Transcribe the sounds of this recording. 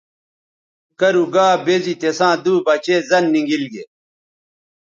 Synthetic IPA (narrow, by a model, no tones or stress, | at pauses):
kɐɾuɡaːbezit̪esãːd̪uːbɐt͡ɕeːzɐnːiŋɡilɡe